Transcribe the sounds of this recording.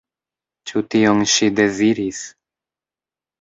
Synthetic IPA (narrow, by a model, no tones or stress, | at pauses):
t͡ʃutionʃide̞ziɾis